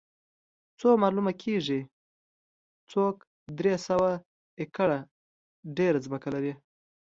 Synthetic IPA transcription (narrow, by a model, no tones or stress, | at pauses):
t͡somɑlumakʰeʐi | t͡sok | d̪ɾesawa | ɪkaɽa | ɖeɾazməkalaɾi